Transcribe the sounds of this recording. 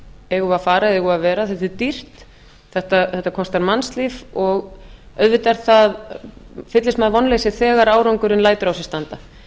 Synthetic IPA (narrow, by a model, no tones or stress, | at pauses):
ɛɣʏafaːɾaɛɣʏavɛːɾaθɛt̪ɪt̪ir̥t̪ | θɛht̪aθɛht̪akʰɔst̪aɾmanslivɔɣ | œðvɪt̪aɾθað | fɪt̪lɪsmaðvɔnleːjsɪθɛːɣaɾaːwɾɔwŋkʏɾɪnlaːjt̪ʏɾawsɛ̥st̪ant̪a